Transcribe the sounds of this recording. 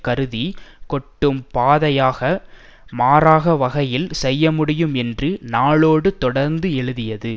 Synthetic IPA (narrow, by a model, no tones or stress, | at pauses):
kɐɾɯðikɔʈːɯmpaːðɐjaːɣɐmaːɾaːɣɐʋɐɣɐjɪlsɛjːɐmʊɽɪjɯmɛndrɯnaːɭoːɽɯt̪ɔɽɐɾnd̪ɯɛɻɯðɪjɐðɯ